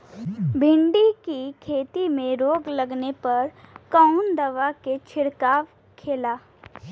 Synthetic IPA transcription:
bʱɪ̃ɳɖikikʰeːt̪imẽɾoːɡlɐɡnepɐɾkɔʊnd̪ɐʋaket͡ʃʰɪɾkaːʋ | kʰeːlaː

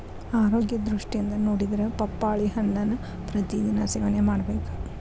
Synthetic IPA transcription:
aːɾo̞ːɡjɐd̪ɾuʂʈijind̪ɐnoːɽid̪ɐɾɐpɐpːaːɭiɦɐɳlɐnːu | pɾɐt̪id̪inɐseːʋɐnemaːɽɐbeːku

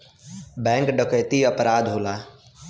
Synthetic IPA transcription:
bɛ̃ːŋkɖəkəjt̪iəpɾaːd̪ɦoːlaː

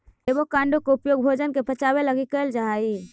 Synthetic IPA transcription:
ebokãːɳɖokoʊpjoːɡbʱoːd͡ʒənkepət͡ʃaːbeləɡikəld͡ʒai

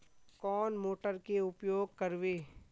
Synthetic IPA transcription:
kɔːnmoːʈəɾkeʊpjoːɡ̚kɐɾʋeː

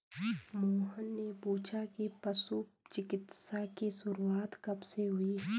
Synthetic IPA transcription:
moːɦənːepuːt͡ʃʰakipɐsut͡ʃɪkɪt̪sakisʊɾuaːt̪kɐbseɦʊi

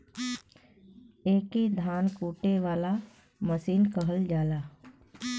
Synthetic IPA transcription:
eːkid̪ʱaːnkuːʈeʋaːla | məsiːnkəɦəld͡ʒaːlaː

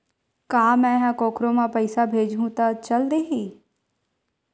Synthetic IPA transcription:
kaːmɛ̃ːɦãkoːkɾomãpəɪsabʱeːd͡ʒɦũt̪at͡ʃɐld̪eːɦiː

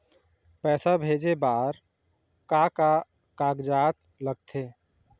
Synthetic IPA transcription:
pɛːsabʱeːd͡ʒebaːɾ | kaka | kaːɡd͡ʒaːt̪ | ləɡ̚t̪ʰeː

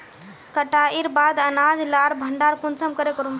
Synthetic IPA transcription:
kəʈaʔiɾbad̪ənad͡zlaɾbʱəɳɖaɾpunt͡səmkəɾekəɾum

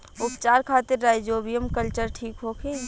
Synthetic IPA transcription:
ʊpt͡ʃaːɾkʰaːt̪ɪɾːaːd͡ʒoːbijəmkəlt͡ʃəɾʈʰiːkɦoːkʰĩ

